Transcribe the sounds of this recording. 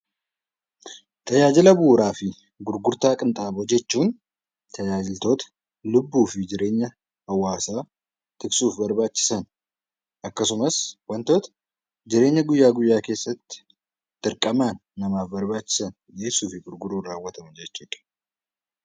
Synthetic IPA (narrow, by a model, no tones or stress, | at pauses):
t̪ʰɐjaːd͡ʒɪlɐbuːɾaːfɪ | ɡʊɾɡʊɾt̪aːkʼɪnt̪ʼaːbɔd͡ʒɛt͡ʃːuːn | t̪ʰɐjaːd͡ʒɪlt̪o̞ːt̪ɐ̥ | lʊbːuːfɪd͡ʒɪɾe̞ːɲːɐ | hɐwːaːsaː | t̪ɪksuːfbɐɾbaːt͡ʃːɪ̥sɐn | ɐkːɐsʊmɐswɐnt̪oːt̪ɐ̥ | d͡ʒɪɾe̞ːɲːɐɡʊjːaːɡʊjːaːke̞ːsːɐt̪ːɪ̥ | t̪ʼɪɾkʼɐmaːnːɐmaːfbɐɾbaːt͡ʃːɪ̥sɐn | jeːsːuːfɪɡʊɾɡʊɾuːnraːwːɐt̪ʰɐmɐd͡ʒɛt͡ʃːuːᶑɐ̥